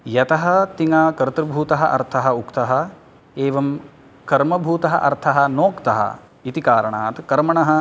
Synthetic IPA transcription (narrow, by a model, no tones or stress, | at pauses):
jɐt̪ɐɦɐt̪iŋaːkɐɾt̪ɾɐbʱuːt̪ɐɦɐʔɐ̰ɾt̪ʰɐɦɐukt̪ɐɦɐ̆ | eːʋɐm | kɐɾmɐbʱuːt̪ɐɦɐʔɐ̰ɾt̪ʰɐɦɐ̆noːkt̪ɐɦɐ̰ | it̪ikaːɾɐɳa̰ːt̪kɐɾmɐɳɐɦɐ̆